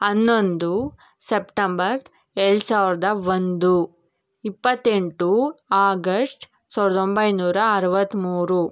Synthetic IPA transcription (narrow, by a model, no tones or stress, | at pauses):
ɐnːo̞nd̪u | sepʈɐmbɐɾ | eɭɽsaːʋɾɐd̪ɐʋond̪u | ipːɐt̪ːeɳʈuaːɡɐsʈ | saːʋɾɐd̪ombɐjnuːɾɐːɾɐʋɐt̪ːmuːɾu